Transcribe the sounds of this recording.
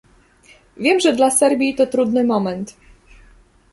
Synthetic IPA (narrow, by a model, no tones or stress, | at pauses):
vʲjɛmʐɛd̪lasɛɾbʲjit̪ɔt̪ɾud̪nɘmɔmɛnt̪